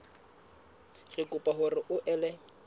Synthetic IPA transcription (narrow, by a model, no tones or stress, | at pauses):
ɣ̥ɪkʼʊpʼaɦʊrɪʔʊʔɛlɛ